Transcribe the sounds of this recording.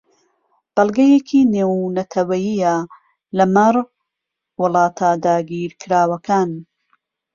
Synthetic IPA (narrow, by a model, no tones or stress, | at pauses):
b̥ɐlˠɡɐjekʰineːwnɐt̪ʰɐwɐjijɐ | lɐmɐɾ | wɨlˠɑːt̪ʰaːd̪aːɡiːɾkʰɨɾaːwɐkaːn